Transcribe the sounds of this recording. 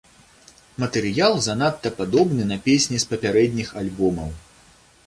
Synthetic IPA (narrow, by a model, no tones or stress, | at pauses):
mɐt̪ɛɾɨjalˠzanat̪ːɐpad̪ɔbnɨnɐpʲesʲnʲispɐpʲaɾɛd̪ʲnʲixalʲbɔmɐw